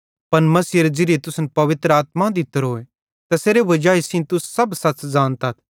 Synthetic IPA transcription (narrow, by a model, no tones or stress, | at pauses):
pɐnmɐsiːeɾed͡ʒɪɾiet̪ʊsnpɐʋɪt̪ɾaːt̪mãd̪ɪt̪ːəɾɦoːe | t̪aseːɾeʋɐd͡ʒaːisĩːt̪ʊssɐbsɐtd͡zaːnt̪ɐt̪ʰ